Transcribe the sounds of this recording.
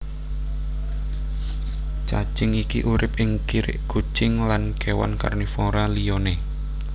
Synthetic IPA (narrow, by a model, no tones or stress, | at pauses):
t͡ʃḁt͡ʃɪŋikiʔuɾɪpɪŋkiɾɪ̰ʔɡ̥u̥t͡ʃɪŋlankewa̰nka̰rnifoɾalione